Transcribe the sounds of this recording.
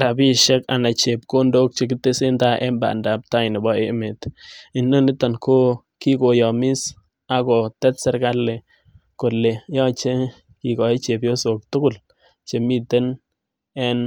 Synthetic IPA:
ɾa˨bi˦ʃɛ˦ka̰˨na˨t͡ʃe˨p̚ko˦ndo˦k̚t͡ʃe˨˦k̬ɪ˦tːe˦se˦nta˦ʔɛ˦mba̰˨nda˨p̚ta˦ɪ˨nɪ˨bɔ˦e˦me˨tɪ˨nːo˦nɪ˦ta˨nkʰo˦ | ki˦ko˨jɔ˨mɪ˦s | a˨kɔ˨tɛ˦tsɛ˦ɾka˦lːe˨ | ko˨lːe˨jɔ˦t͡ʃe˦ | ki˨kɔ˨e˦t͡ʃe˨pjo˦so˨k̚tʊ˦kʊ˨l | t͡ʃe˨mi˦te˦n | ɛ˦n

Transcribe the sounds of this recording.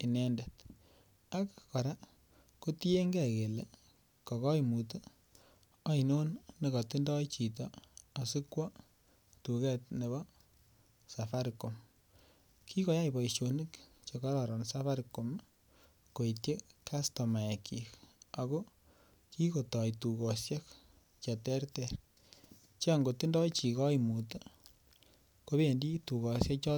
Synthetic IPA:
i˨nɛ˦nde˨t | a˦kkɔ˨ɾa˦ | ko˦ti˦e˦ŋɡɛ˦˨ke˨le˨ | kɔ˨kɔ˦jmu˨to˦ | ɑ˦i˨no˦nne˨kɔ˨ti˦ndɔ˦it͡ʃi˨tɔa˨si˦kwɔ˦ | tu˨kɛ˦t̚ne˨βɔ˦ | safa˦ɾko˨m | ki˦kɔ˨˦ja˦jbɔ˨iʃo˨ni˦k | t͡ʃe˨ka˦ɾɔ˨ɾɔ˨nsa˦fa˦ɾiko˨m | ko˨itje˦kʰa˦stɔ˨ma˨e˨kʰi˨ka˨ɣo˦ | ki˦ko˨tɔ˨jtuko˨sja˦k | t͡ʃa˨tɛ˦ɾtɛ˨ɾ | t͡ʃe˦a˨ŋɡo˨ti˦ndɔ˦jt͡ʃi˨kɔ˦imu˨to | ko˦βe˨ndi˦tu˨ɣɔ˨sja˦kt͡ʃɔ˦

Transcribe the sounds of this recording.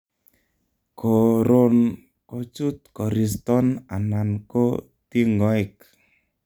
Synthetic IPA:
kʰo˨ɾo˦n | ko˨t͡ʃu˦t̪̚kɔ˨ɾi˨stɔ˦na˨na˨nko˦ | ti˦ŋɡɔ˦i˨k

